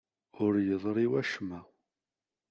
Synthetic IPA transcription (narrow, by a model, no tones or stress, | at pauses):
ʊɾjəðˤɾˤiwæʃmæ